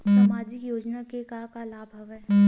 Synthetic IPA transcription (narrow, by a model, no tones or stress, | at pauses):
sɐmaːd͡ʒikjoːd͡ʒnakekakalaːbʱɐʋɦɛː